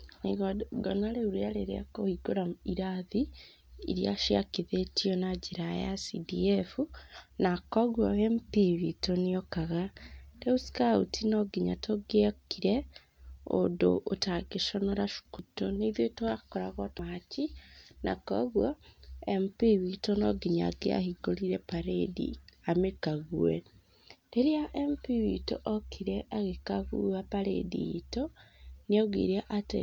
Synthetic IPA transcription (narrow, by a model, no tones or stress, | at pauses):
neɣɡɔnaɾeuɾealeɾa̰kohiɡoɾaiɾaði | ḭɾja̰ʃia̰kiðetiɔnad͡ʒeɾaja̰sidiefunakɔɣwaempiβitoniɔkaɣateusi̥kautʰinɔɡiɲa̰toɡeakiɾɛ | o̰do̰ʔːtaɡeʃɔnɔɾaʃu̥kutoniðjotoakoɾaɣotacina̰koɣwaempiwitonoɡiɲa̰ɡea̰hiɡoliɾepaɾedḭamekaɣuwe | deɾiaʔempiwito̰ʔokʰiɾeʔaɣekaɣṵapaɾḛdḭitonioɡḭɾeʔatḛ